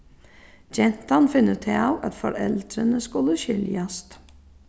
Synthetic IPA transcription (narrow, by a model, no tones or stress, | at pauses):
d͡ʒɛn̥t̪anfɪnːət̪ʰɪawæt̪fɔɾɛ̰lt̪ɾənəskʊləɕʏljast̪